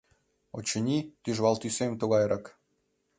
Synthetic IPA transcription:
o̰t͡ɕə̆nʲit̪yʒβɑlt̪ysemt̪uɣɑjɾʔɑk

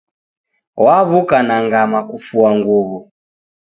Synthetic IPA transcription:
waβukanaŋɡamakufuaŋɡuβu

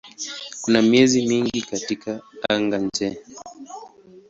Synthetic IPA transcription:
kunamiɛzimiŋɡikatikaaŋɡand͡ʒɛ

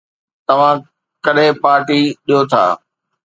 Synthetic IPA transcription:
t̪ɐʋ̤ã | kɐɗẽpaːɾʈiɗijot̪ʰa̰ː

